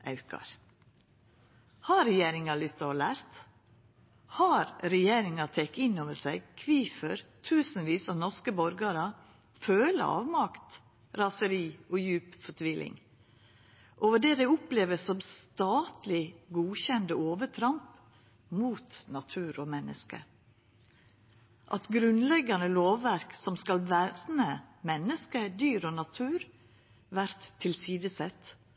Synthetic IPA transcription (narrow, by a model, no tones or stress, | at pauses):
ʔɑ̰ʉkɑ̰ɾ | hɑɾɛjeːɾɪŋɑlʏst̪ɑɔlæːɾt̪ | hɑɾɾɛjeːɾɪŋɑt̪ʰɛkːɪnːoːʋəsæɪɡkʰʋiːfəɾt̪ʰʉːsn̩ʋiːsɑnɔskəbɔɾɡɑɾɑ | føːlə̰ɑ̰ːʋmɑkt̪ | ɾɑsəɾiːɔjʉːpfɔʈʰʋiːlʔɪ̰ŋ | ʔoːʋəɖeːd̪æɪʊpleːʋəsɔmst̪ɑːt̪lɪɡuːçɛnd̪əoːʋət̪ʰɾɑmp | muːt̪nɑt̪ʰʉːɾɔmɛnʔə̰skə̰ | ʔɑt̪ɡɾʉnlɛɡɑnəloːʋːæɾksɔmskɑlʋæɾnəmɛnːəskəd̪yːɾonɑt̪ʰʉːɾ | ʋæɾt̪ʰːɪlsiːd̪əsɛt̪